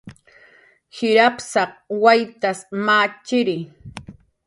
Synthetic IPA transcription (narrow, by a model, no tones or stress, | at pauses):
hɪɾapsɑχ̚wajt̪asmaːt͡ʃɪɾɪ